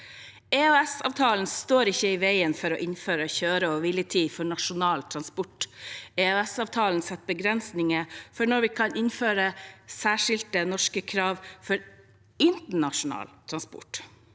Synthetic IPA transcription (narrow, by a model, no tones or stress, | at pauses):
ɛøɛsɑ̰ːʋt̪ʰɑːln̩st̪oːɾɪçːəɪʋæɪənfɔɾɔʔɪnføːɾəçøːɾəɔʋɪlət̪ʰiːfɔɳɑʂʊnɑːlt̪ʰɾɑnspʊʈɛøɛsɑːʋt̪ʰɑːlnsɛt̪̚ːbəɡɾɛnsnɪŋəfɔɳɔɾʋɪkʰɑnɪnføːɾəsæːʂɪlt̪ənɔʂkəkʰɾɑːʋfɔɾ | ɪnt̪əɳɑʂʊnɑ̰ːlt̪ʰɾɑnspʊ̰ʈ